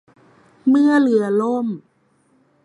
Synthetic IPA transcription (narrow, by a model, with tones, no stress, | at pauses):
mɯ˧əlɯ˨˩˦ɐlo˧˥˩m